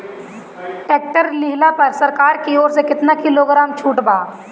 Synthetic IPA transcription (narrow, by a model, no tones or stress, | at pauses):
ʈeːk̚ʈəɾlɪɦlapɐɾsɐɾkaːɾkioːɾsekɪt̪nakɪloɡɾaːmt͡ʃʰuːʈbaː